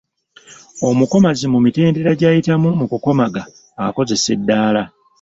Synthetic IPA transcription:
o̞muko̞mazimumite̞ːnde̞ɾaɟaːjitamumukuko̞maɡaː | ko̞ze̞se̞dːaːla

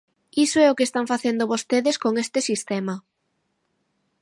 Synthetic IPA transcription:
isoɛʊkest̪aɱfaθend̪oβost̪eðeskoŋest̪ɪsist̪ɛmɐ

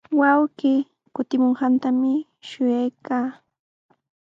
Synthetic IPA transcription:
wawɢiː | kʊt̪ɪmoɴɢɑnt̪amɪ | ʃʊjajkaː

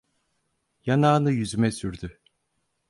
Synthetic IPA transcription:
janaːnɯjyzymɛsyɾd̪y

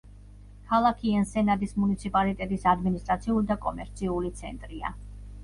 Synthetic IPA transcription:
kʰalˠakʰiɛnsɛnad̪ismunit̪sʰipʼalit̪ʼɛt̪ʼisad̪minist̪ʼɾat̪sʰiulid̪akʼɔmɛɾt̪sʰiulit̪sʰɛ̰nt̪ʼɾia̰

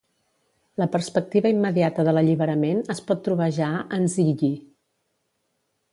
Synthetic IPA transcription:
ləpəɾspək̚t̪iβəimːəðiat̪əðələʎiβəɾəmenəspɔt̪ːɾuβəʒaənziʎi

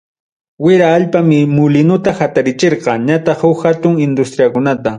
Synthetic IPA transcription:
wɪɾaːʎpamɪmʊlɪnʊt̪ahat̪aɾɪt͡ʃeɾqɑɲat̪ɑχhʊkhat̪ʊŋɪnd̪ʊst̪ɾijakʊnat̪a

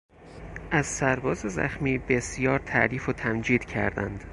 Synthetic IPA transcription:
ʔæzsæɾbɒːzezæ̰xmiːbe̞sjɒːɾt̪ʰæ̰ʔɾiːfot̪ʰæmd͡ʒiːd̪̥cʰæɾd̪æ̰nd̪̥

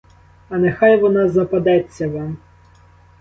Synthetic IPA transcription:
ɐnexɑjʋɔnɑzɐpɐd̪ɛt͡sʲːɐʋɑm

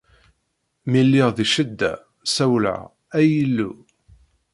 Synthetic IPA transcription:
milːiʁðiʃəd̪ːæ̰ | sæwlʕa̰ | æjəlːu

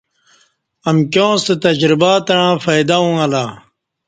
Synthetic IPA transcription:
ɐmkjõːst̪et̪ɐd͡ʑɾibaːt̪ɐɻãːfɐjd̪aũɐlaː

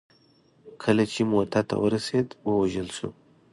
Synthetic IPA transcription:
kʰəlat͡ʃemot̪at̪a̰wəɾased̪wəwaʒəlsṵ

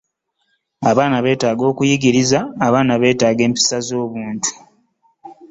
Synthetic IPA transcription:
aβaːnaβe̞ːtaːɡo̞ːkujiɡiɾizaːβaːnaβe̞ːtaːɡe̞ːmpi̥sazo̞ːβuːntʰu̥

